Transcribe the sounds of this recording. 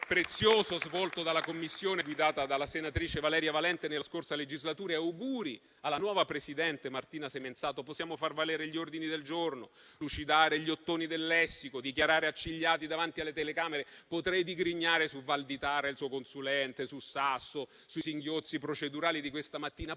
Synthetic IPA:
pɾet̪sːjoːzozvɔlt̪od̪alakomːisːjoːneɡwid̪aːt̪ad̪alːasenat̪ɾiːt͡ʃevalɛːɾjavalɛnt̪enelaskorsaled͡ʒizlat̪uːɾaawɡuːɾi | alːanwɔːvapɾesid̪ɛnt̪emart̪iːnasement̪saːt̪oposːjaːmofarvalɛːɾeʎiord̪inid̪eld͡ʒorno | lut͡ʃid̪aːɾeʎiot̪ːoːnid̪elːɛsːikod̪ikjaɾaːɾeat͡ʃːiʎːaːt̪id̪avant̪ialːet̪elekaːmeɾepot̪ɾɛjd̪iɡɾiɲːaːɾesuvald̪it̪aːɾailsuːokonsulɛnt̪esusasːo | susiŋɡjot̪sːipɾot͡ʃed̪uɾaːlid̪ikwest̪amat̪ːiːna

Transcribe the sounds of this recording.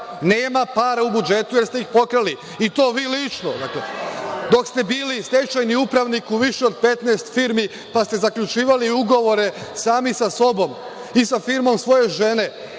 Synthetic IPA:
neːmapaːɾaubud͡ʒe̞t̪ujeɾst̪e̞ixpo̞kɾali | it̪o̞ːʋiːlit͡ʃnod̪aklḛd̪o̞kst̪e̞biːlist̪et͡ʃajniupɾaʋnikuʋiʃeo̞d̪̚pe̞t̪nest̪fiːɾmi | past̪e̞zakʎʲut͡ʃiːʋaliuɡo̞ʋo̞ɾe̞saːmisaso̞bo̞m | isafiɾmo̞msʋo̞je̞ʒe̞ne̞

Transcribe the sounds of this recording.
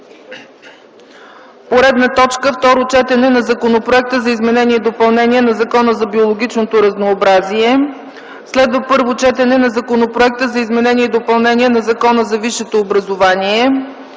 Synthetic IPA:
poɾɛd̪nət̪ɔt͡ʃkəft̪ɔɾot͡ʃɛt̪ɛnɛnɐzɐkonopɾoɛk̚t̪əzɐizmɛnɛnʲiɛid̪opɐlˠnɛniɛnɐzɐkɔnəzɐbiolˠoɡ̟ʲit͡ʃnot̪oɾɐznoːbɾaziɛ | slɛd̪vəpɤɾvot͡ʃɛt̪ɛnɛnɐzɐkonopɾoɛk̚t̪əzɐizmɛnɛniɛid̪opɐlˠnɛniɛnɐzɐkɔnəzɐviʃɛt̪oːbɾɐzovaniɛ

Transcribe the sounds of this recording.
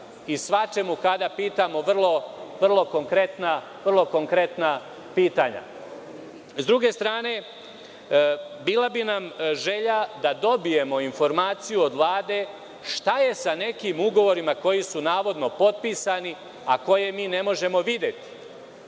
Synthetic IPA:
isʋat͡ʃe̞mukad̪apiːt̪amo̞ʋr̩lˠo̞ʋr̩lˠo̞ko̞ŋkɾe̞t̪na | ʋrlˠo̞ko̞ŋkɾe̞t̪na | piːt̪aːɲa̰ | zd̪ɾuɡe̞st̪ɾaːne̞ | biːlˠabinamʒe̞ʎad̪ad̪o̞bije̞mo̞info̞ɾmaːt̪sijuod̪ʋlˠaːd̪e̞ | ʃt̪aje̞sane̞kimuɡo̞ʋo̞ɾimako̞jisunaːʋo̞d̪no̞po̞t̪̚piːsani | ako̞je̞miːne̞mo̞ʒe̞mo̞ʋid̪je̞t̪i̥

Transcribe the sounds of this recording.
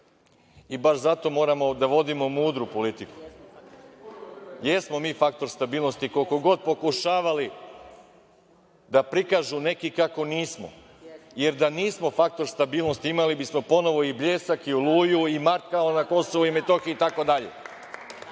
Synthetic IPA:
ibaʃzat̪o̞mo̞ːɾamo̞d̪aʋo̞d̪imo̞muːd̪ɾupo̞lit̪iku̥ | je̞smo̞miːfak̚t̪o̞ɾst̪abiːlˠno̞st̪ikolkoɡo̞d̪̚po̞kuʃaːʋali | d̪apɾikaːʒune̞kikako̞niːsmo̰ | jeɾd̪aniːsmo̞fak̚t̪o̞ɾst̪abiːlˠno̞st̪iimalibismo̞po̞no̞ʋo̞ibʎe̞ːsakiulˠuːjuimaɾt̪kalonako̞so̞ʋuimet̪o̞xiuit̪ako̞d̪aʎḛ

